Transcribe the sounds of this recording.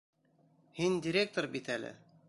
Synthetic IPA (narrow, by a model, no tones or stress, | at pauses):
hindʲɪɾʲek̚t̪oɾbit̪ælɘ̰